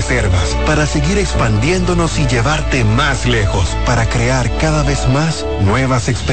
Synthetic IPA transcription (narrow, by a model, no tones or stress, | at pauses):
seɾβaspaɾase̞ɣiɾe̞kspand̪je̞nd̪o̞no̞siʝe̞βaɾt̪e̞masle̞xo̞spaɾakɾe̞aɾkaðaβe̞zmas | nwe̞βaseksp